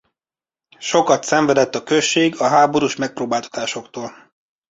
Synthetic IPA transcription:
ʃo̞kɒt̪sɛɱvɛd̪ɛt̪ːɒkøʃːeːɡɒɦaːbo̞ɾuʃmɛk̚proːbaːlt̪ɒ̥t̪aːʃo̞kt̪oːl

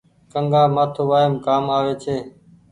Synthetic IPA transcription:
kəŋɡaːmaːt̪ʰuːʋaːɦɪmkaːmaːʋeːt͡ʃʰeː

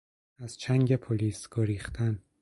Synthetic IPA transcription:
æz̥t͡ʃʰæŋɟe̞pʰoliːsɡ̥oɾiːχt̪ʰæn

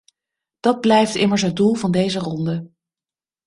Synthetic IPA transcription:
d̥ɑd̚blɛjftɪməɹs̬ɦəd̚dulˠvɑndejzərɔndə

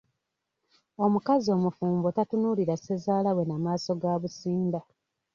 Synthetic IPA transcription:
o̞mukazio̞ːmufuːmbotatunuliɾase̞zaːlawe̞namaːso̞ɡaːβusiːnda

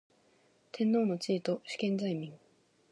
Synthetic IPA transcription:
t̪ʰẽ̞nːo̞ːno̞t͡ɕiːt̪o̞ɕi̥kẽ̞nd͡zaimʲĩŋ

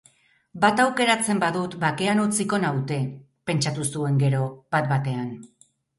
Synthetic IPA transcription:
bat̪awke̞ɾat͡se̞mbaðut̪bake̞anut͡siko̞nawt̪e̞ | pe̞nt͡ʃat̪usue̞ŋɡe̞ɾo̞bat̪̚bat̪e̞an

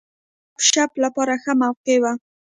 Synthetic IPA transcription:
pʃaplapɑɾaxəmawqewa

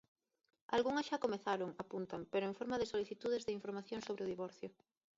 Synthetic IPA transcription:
a̰lɣuŋɐsʃakomeθaɾʊŋapunt̪ampeɾʊeɱfoɾmaðɪsoliθit̪uðɪzðeɪiɱfoɾmaθjõŋsoβɾɪʊðiβɔɾθjʊ

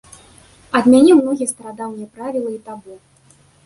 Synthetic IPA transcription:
ɐd̪mʲanʲɛmnɔɣʲist̪ɐɾad̪amjʲɛpɾavʲilˠɐit̪abɔ

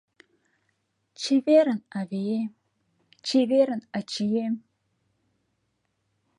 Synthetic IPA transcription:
t͡ʃʰiveɾɨnavejem | t͡ʃʰiveɾɨnat͡ʃʰijem

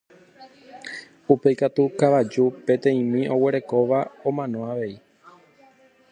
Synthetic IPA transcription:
upe̞jkat̪ukaʋad͡ʒupẽ̞t̪ẽ̞ĩmĩʔo̞we̞ɾe̞ko̞ʋaõ̞mãnõ̞aʋe̞i

